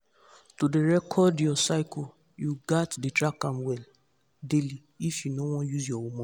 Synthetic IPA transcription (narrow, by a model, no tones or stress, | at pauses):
todeɾɛkʰɔdjɔsaɪko | juɡatdɪtɾakamwɛl | deli | ifjunowɔ̃juzjɔwomɔ